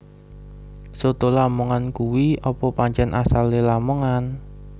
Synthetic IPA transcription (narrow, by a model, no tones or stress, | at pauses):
sot̪olamuŋankuwiɔpɔpaɲt͡ʃɛnʔasalelaməŋan